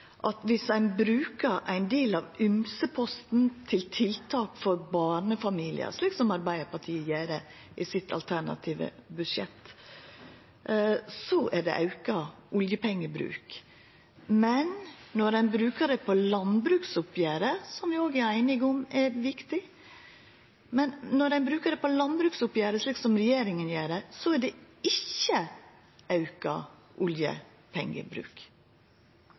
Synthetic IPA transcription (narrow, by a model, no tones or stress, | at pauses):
ʔɑt̪ʋɪsæɪnbɾʉːkəɾʔæ̰ɪnd̪eːlɑʋʏmsəpʰɔst̪n̩t̪ʰɪlt̪ʰɪlt̪ʰɑːkfɔɾbɑːɳəfɑmiːlɪ̰ə̰ʂliːksɔmɑɾbæɪəɾpɑʈ̪ʰiːjæːɾə | ʔɪsɪt̪ʰɑ̰lt̪ʰæɳɑ̰t̪ʰiːʋə̰bʉʂɛt̪ː | sɔʔæɖɛ̰ʔɑʉkɑʔʊljəpʰɛŋːəbɾʉ̰ːk | mɛnnɔɾæɪnbɾʉːkəɖ̪ɛpʰɔlɑnbɾʉːksʊpjæːɾəsɔmd̪ɪoːɡæɾæɪnɪɡɔmɛɾʋɪkt̪ɪ | mɛnnɔɾæɪnbɾʉːkəɖ̪ɛpʰɔlɑnbɾʉːksʊpjæːɾəʂɭiːksɔmɾɛjeːɾɪŋənjeːɖɛsɔæɖɛ | ɪçːə | ʔɑʉkɑ̰ | ʔʊljə̰ | pʰɛ̰ŋːə̰bɾʉ̰ːk